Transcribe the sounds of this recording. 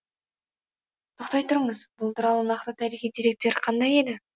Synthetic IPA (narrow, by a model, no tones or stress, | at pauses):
t̪ʰoqt̪ɑjt̪ʊɾəɴəzbʊlˠt̪ʰʊɾɑlˠənɑqt̪ət̪ʰæɾiχʲijd̪iɾe̞k̚t̪e̞ɾqʰɑnd̪ɑje̞d̪ɪ